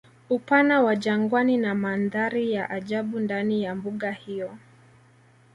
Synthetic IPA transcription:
upanawaʄaŋɡwaninamanðaɾijaʔaʄaɓundanijambuɠahijɔ

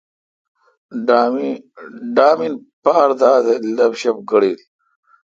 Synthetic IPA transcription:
ɖa | ɖaːminpaːɾd̪aːt̪elɐbɕɐp̚ɡɐɽiːl

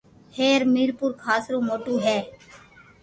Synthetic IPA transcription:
heːɾmiːɾpʊɾkʰaːsɾõːmoːʈuːɦɛː

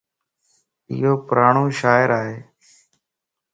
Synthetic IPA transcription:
ɪ̰ɦoːpɾaːɳoːʃaːɪəɾaːɦeː

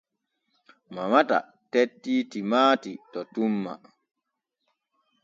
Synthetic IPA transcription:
mamata̰ | tetːiːtimaːtitɔtumːa̰

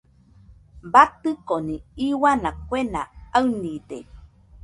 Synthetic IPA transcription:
bat̪ɨkoniiwanakʷena̰aɨnide

